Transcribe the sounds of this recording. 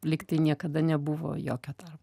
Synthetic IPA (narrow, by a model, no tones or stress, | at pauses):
lʲɪkt̪ɐɪnʲiɛkɐd̪ɐnʲɛbʊʋo̰ːjo̰ːkʲoːt̪ɐrp